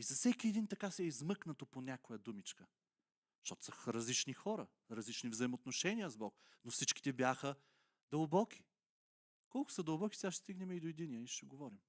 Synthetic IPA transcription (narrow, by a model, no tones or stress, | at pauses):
izɐfsɛkʲiɛd̪int̪ɐkasɛizmɤknɐt̪oponʲjakojəd̪umit͡ʃkə | ʃt̪ɔt̪ʊ̥sɐxɾɐzlit͡ʃnixɔɾə | ɾɐzlit͡ʃnivzɐimot̪noʃɛniəzbɔk | nofsit͡ʃki̥t̪ɛbjaxə | d̪ɐlˠbɔkʲi̥ | kɔlˠkʊ̥səd̪ɐlˠbɔki̥sɛɡaʃt̪ɛst̪iɡnɛmɛid̪oɛd̪inʲiəiʃt̪ɛɡovɔɾim